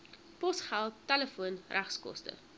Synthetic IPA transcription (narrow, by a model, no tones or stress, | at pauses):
pɔsχælˠtːæləfuənrʔæχskɔ̰stə̰